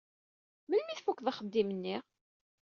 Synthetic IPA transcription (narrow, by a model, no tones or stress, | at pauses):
məlmiθfukːðˤaχəd̪ːimənːiʁ